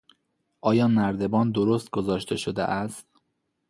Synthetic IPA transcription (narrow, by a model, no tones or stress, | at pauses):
ʔɒːjɒːnæɾd̪e̞bɒːnd̪oɾost̪̚ɡ̥ozɒːʃt̪ʰe̞ʃod̪ḛʔæst̪